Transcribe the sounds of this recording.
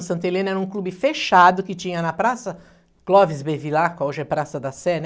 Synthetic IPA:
sɐ̃nt̪elẽnʊɛɾɐũklubɪfeʃad̪ʊkɪt͡ʃĩɲɐnɐpɾasɐ | klɔvɪzbevilakɐoʒɪɛpɾasɐd̪ɐsɛn

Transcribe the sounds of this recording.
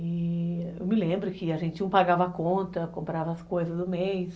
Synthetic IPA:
ɪḛwmɪlẽmbɾʊkɪaʒẽnt͡ʃɪũpaɡavɐakõnt̪ɐkõmpɾavɐːskojzɐzd̪ʊmejs

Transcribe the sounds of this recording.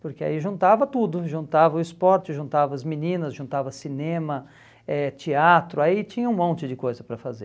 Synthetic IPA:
pʊɾkea̰iʒũnt̪avɐt̪ud̪ʊʒũnt̪avɐʊɪspɔɾt͡ʃɪʒũnt̪avɐɐzminĩnɐzʒũnt̪avɐsinẽmɐ | ɛt͡ʃiat̪ɾʊait͡ʃĩɲɐũmõnt͡ʃɪd͡ʒɪkojzɐpɾɐfaze

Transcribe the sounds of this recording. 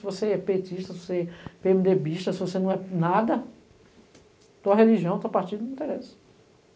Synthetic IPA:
sɪvoseɛpetiʃt̪ɐsɪvoseɛpeemid̪ebiʃt̪ɐsɪvosenɐ̃w̃ɛnad̪ɐ | t̪oɐɦeliʒiɐ̃w̃t̪apaɾt͡ʃid̪̃ĩt̪eɾesɪ̥

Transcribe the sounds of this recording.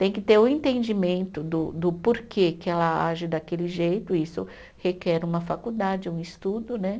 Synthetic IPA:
t̪ẽj̃kɪt̪eɾʊẽnt̪ẽnd͡ʒimẽnt̪ʊd̪ʊd̪ʊpoɾkʰekɪɛlɐaʒɪd̪akelɪʒejt̪ʊisʊ | hekɛɾũmɐfakud̪ad͡ʒɪũɪst̪ud̪ʊnɛ

